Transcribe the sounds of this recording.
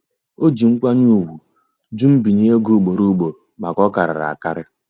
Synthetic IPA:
o˦d͡ʒi˨ŋ̩˦kʷa˦ɲu˦˨wu˨ | d͡ʒu˦m̩˦bi˨ɲe˦e˦ɡo˦˨ɡ͡bo˨ɾu˦ɡ͡bo˨ɾma˨kɔ˦ka˨ɾa̰˨ɾa̰˨a˨ka˦ɾɪ˦

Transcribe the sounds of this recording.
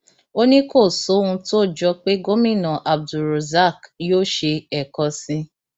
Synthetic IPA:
o˦nĩ˦ko˦˨so˨˦ũ˧to˦˨d͡ʒɔ˧k͡pe˦ɡo˦mĩ˦˨nã˨ʔa˨b̚du˨ɾo˨za˦˨kjoː˦˨ʃe˧ɛ˨kɔ˧sĩ˧

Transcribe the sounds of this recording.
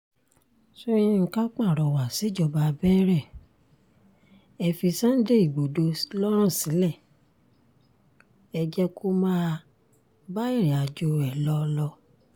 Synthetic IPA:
so˦ɾĩ˦ŋ̩˧ka˦k͡pa˦˨ɾɔ˨˧wa˨si˨˦d͡ʒɔ˦˨ba˧bɛː˦ɾɛ˦˨ | ɛ˧fi˧sã˦n̩˦de˦i˦˨ɡ͡bo˨do˧˦lɔ˦ɾ̃ã˦˨si˨˦lɛ˦˨ | ɛ˧d͡ʒɛ˧kʰo˦mãː˦ | ba˦i˦˨ɾ̃ĩ˨a˨d͡ʒo˧ɛ˨lɔ˦˧lɔ˧

